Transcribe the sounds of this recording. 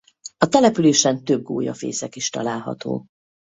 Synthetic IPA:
ɒt̪ɛlɛpyleːʃɛnt̪ø̞b̚ɡoːjɒfḛːsɛkiʃt̪ɒ̰laːlɦɒ̰t̪o̰ː

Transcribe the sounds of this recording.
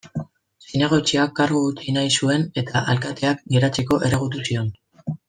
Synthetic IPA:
sinaɣo̞t͡ʃiakːaɾɣuut͡sinajsue̞ne̞t̪aʔalkat̪e̞ak̚ɡe̞ɾat͡seko̞ʔe̞reɣut̪̬usio̞n

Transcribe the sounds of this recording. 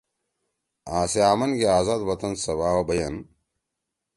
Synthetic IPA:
aːseaːmɐnɡeaːzaːd̪bɐt̪ɐnsɐβaːwɐbɐjɐn

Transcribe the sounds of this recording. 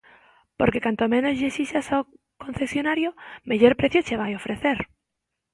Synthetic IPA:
poɾkekant̪omẽnozʎesiʃasa | kon̟θesjonaɾjomeʎoɾpɾeθjot͡ʃeβ̞ajofɾeθeɾ

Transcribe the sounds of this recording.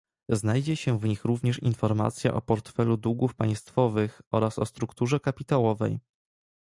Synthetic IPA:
znajd͡ʑɛɕɛvɲixɾuvɲɛʂinfɔɾma̰t̪sʲja̰ʔɔpɔɾt̪fɛlud̪uɡufpaj̃st̪fɔvɘxɔɾasɔ̰st̪ɾukt̪uʐɛkapʲit̪awɔvɛ̰j

